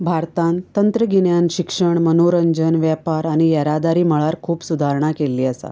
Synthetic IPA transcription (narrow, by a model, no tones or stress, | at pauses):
bʱaɾt̪ãnt̪ːənt̪ɾəɡiɳjanɕikʂəɳmənoɾəɲd͡ʑənʋjapaɾaɽ̃ijəɾad̪aɾiːm̤əɭaɾkʰuːpsud̪ʱaɾɳakelːiːəsa̰